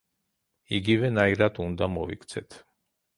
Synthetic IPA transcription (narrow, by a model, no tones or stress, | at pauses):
iɡivɛnaiɾad̪und̪amɔvikʰt̪sʰɛt̪ʰ